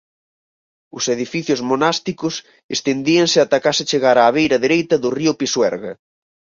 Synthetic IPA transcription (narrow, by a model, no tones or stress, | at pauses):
ʊseðifiθjʊzmonast̪ikʊs | est̪end̪iɐŋsɪat̪akasɪt͡ʃeɣaɾaːβejɾɐðeɾejt̪ɐðʊriʊpiswɛɾɣɐ